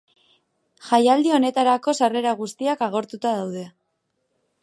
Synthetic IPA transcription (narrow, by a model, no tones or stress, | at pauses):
ʝajald̪io̞ne̞t̪aɾako̞sare̞ɾaɣ̞ust̪iakaɣ̞o̞ɾt̪ut̪aðawðe̞